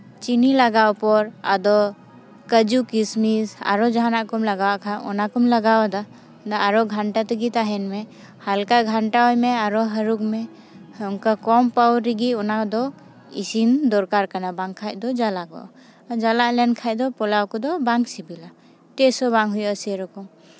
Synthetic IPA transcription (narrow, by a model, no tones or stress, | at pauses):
t͡ʃinilaɡawpɔɾa̰d̪ɔ | kəd͡ʒukismisa̰ɾɔd͡ʒaɦanaʔkɔmlaɡawaʔkʰaɔnakɔmlaɡawd̪a | d̪aaɾɔɡʱaɳʈat̪əɡit̪aɦɛnmɛ | halkaʔɡʱaɳʈaɦɔjmɛaɾɔɦəɾukmɛ | uŋkakɔmpawɾiɡiɔnad̪ɔ | ḭsind̪ɔɾkaɾkanabaŋkʰajd̪ɔd͡ʒalaɡɔ̰ʔ | d͡ʒalaʔlɛnkʰajd̪ɔpɔlawkɔd̪ɔbaŋksibila | ʈɛsɔbaŋɦujɔsɛɾɔkɔm